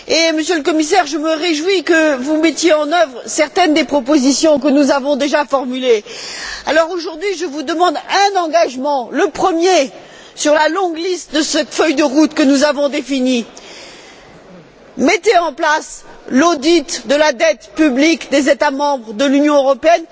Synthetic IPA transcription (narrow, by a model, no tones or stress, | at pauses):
eməsjøləkɔmisɛʁʒəməʁeʒwikəvumɛt̪jeɑ̃nœvʁsɛʁt̪ɛnd̪epχɔp̬ozisjɔ̃k̬ənuzavɔ̃d̪eʒafɔʁmyle | alɔʁoʒuʁd̪ɥiʒəvud̪əmɑ̃d̪ɛ̃nɑ̃ɡaʒmɑ̃ləpχəmje | syʁlalɔ̃ɡlist̪̚d̪əsɛt̪fœjd̪əʁut̪kənuzavɔ̃d̪efini | mɛt̪eɑ̃plaslod̪it̪d̪əlad̪ɛt̪pyblikd̪ezet̪amɑ̃bʁəd̪əlynjɔ̃øʁɔpeɛn